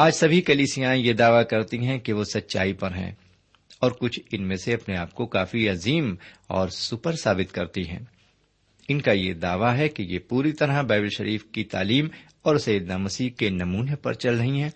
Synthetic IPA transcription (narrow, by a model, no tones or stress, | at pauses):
aːd͡ʒsɐbʱikɐliːsijãẽjed̪aːʋakɐɾt̪iɦɛ̃keʋosɐtːʃa̰ːipɐɾɦɛ̰̃ː | ɔːɾkʊt͡ʃʰɪnmẽseɐpneaːp̚kokaːfiɐziːmɔ̰ːɾsʊpəɾsaːbɪt̪kɐɾt̪iɦɛ̰̃ː | ɪnkajed̪aːʋaɦɛkijepuːɾit̪ɐɾabɛːbɪlʃɐɾʔiːfkit̪a̰ːliːm | ɔːɾsɐjɪd̪namɐsiːkenɐmuːnepɐ̰ɾt͡ʃɐlɾɐɦiɦɛ̃ː